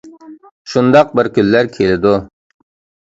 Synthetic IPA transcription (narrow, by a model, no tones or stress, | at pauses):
ʃund̪ɑq̚bɪɾkʲylːæɾkʲʰelɪd̪ʊ